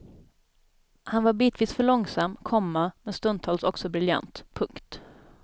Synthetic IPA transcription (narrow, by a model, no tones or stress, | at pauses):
hanvaɾbiːt̪viːsfœɭɔŋsamːkʰɔmːamɛst̪ɵnt̪ʰɑːlsɔksɔbɾɪlja̰nt̪pʰɵŋkt̪